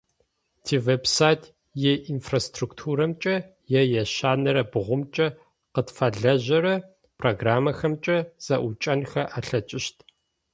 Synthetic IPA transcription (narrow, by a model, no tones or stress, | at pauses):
tʰiːveːbsaːjtʰ | jeʔinfrastruktʰuːɾɐmt͡ʃʼɐ | jɛjɛɕaːnɐɾɐbʁʷʊmt͡ʃʼɐ | qətfɐɮɐʑɐɾɐ | pʰroɡraːmɐxɐmt͡ʃʼɐz̥ɐʔʷʊt͡ʃʼɐnxɐʔaːɬɐt͡ʃʼɪʃtʰ